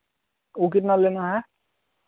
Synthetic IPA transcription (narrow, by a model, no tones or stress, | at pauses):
uk̬itnalenaɦɛ